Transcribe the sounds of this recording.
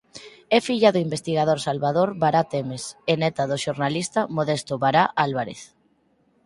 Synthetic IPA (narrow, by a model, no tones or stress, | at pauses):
ɛfiʎaðoimbest̪iɣað̞oɾsalβaðoɾβaɾat̪emesenɛt̪aðoʃoɾnalist̪amoðest̪oβaɾaʔalβaɾḛθ